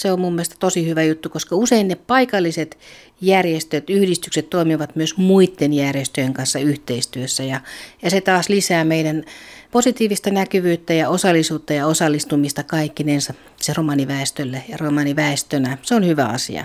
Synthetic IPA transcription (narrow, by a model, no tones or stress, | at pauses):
seommumːiest̪ɑ̥t̪osihyʋæjut̪ːukoskɑuseinneppɑikɑlːiset̪ | jærjest̪øt̪yhdist̪ykset̪toimiʋɑt̪myøsmuit̪ːenjærjest̪øjeŋkɑnsːɑyht̪eist̪yøsːæjɑjɑset̪ɑːslisæːmeidænposit̪iːʋist̪ɑnækyʋyːt̪ːæjɑosɑlːˑisuːt̪ːɑjɑosɑlːist̪umist̪ɑkɑikːinens | seromɑniʋæˑest̪ølːejɑromɑniʋæˑest̪ønæseonhyʋæ̰ɑ̰sḭɑ̰